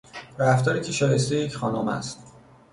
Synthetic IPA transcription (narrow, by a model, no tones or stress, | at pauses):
ɾæft̪ɒːɾiːcʲʰeʃɒːje̞st̪ejejecʰxɒːnomæ̰st̪